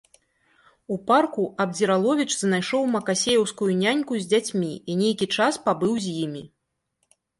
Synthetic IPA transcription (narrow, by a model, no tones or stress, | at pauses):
uparkuʔɐb̚d͡zʲiɾalˠɔvʲit͡ʂznajʂɔwmɐkasʲejɛwskujunʲanʲkuzʲd͡zʲat͡sʲmʲiinʲejkʲit͡ʂaspabɨwzʲjimʲi